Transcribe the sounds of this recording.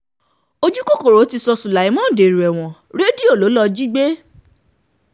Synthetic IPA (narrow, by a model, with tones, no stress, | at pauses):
o˦˧d͡ʒu˦ko˦ko˨ɾo˨˦ti˧sɔ˧su˨la˨i˨˦mɔ̃˦˨de˨ɾu˨ɛ˨w̃ɔ̃˨ɾe˦di˦˨o˦˨lo˨˦lɔ˧d͡ʒi˦ɡ͡be˦